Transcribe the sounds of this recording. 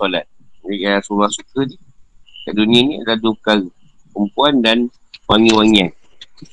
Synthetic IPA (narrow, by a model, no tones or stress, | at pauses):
ɔlat̪̚diasubahsukədikaʔdunianiadahduka | pəmpuandan | waŋĩwaŋian